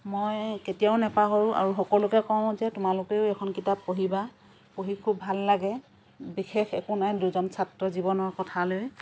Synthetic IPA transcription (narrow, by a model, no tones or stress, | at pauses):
mojketijaʊnɛpaɦɔɹʊ̃ʔa̰ɹuxɔkɔlʊkɛkɔʊ̃zɛtʊmalʊkeʊɛkʰɔnkitapːoɦiba | poɦikʰubʱalːaɡɛ | bixexɛkʊnajduzɔnsatɹɔzibɔnɔɹkɔtʰaloj